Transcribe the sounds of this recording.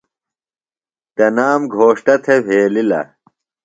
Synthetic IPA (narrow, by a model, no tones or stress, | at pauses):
t̪ɐnaːmɡʱoːʂʈɐt̪ʰebʱeːlilɐ̰